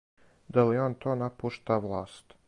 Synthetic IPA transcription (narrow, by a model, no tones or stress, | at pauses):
d̪alioːnt̪ʰoːnapuʃt̪aʋlˠaːst̪